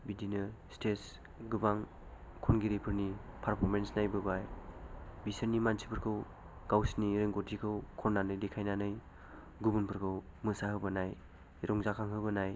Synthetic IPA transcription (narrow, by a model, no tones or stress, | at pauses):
bidinɯstʰes | ɡɯbaŋ | kʰɔnɡiɾipʰɯɾnipʰaɾpʰɔɾmensnajbɯbaj | bisɯɾnimansʰipʰɯɾkʰɯw | ɡ̥awsniɾeŋɡotʰikʰɯwkʰɔnːanɯjdekʰajnanɯj | ɡubunpʰɯɾkʰɯw | mɯsahɯbɯnaj | ɾʔɔŋzakʰaŋɦɯbɯnaj